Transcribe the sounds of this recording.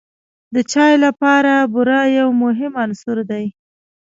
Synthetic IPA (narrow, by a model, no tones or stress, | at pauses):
d̪ət͡ʃɑjlapɑɾabʊɾɑjawmʊɦɪmɑnsuɾd̪aj